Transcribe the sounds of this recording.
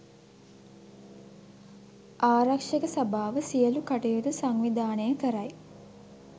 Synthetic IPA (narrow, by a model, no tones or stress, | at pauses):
ʔaːɾakʂəkəsabaːʋəsijəlukaʈejut̪usaŋʋid̪aːnəjəkəɾaj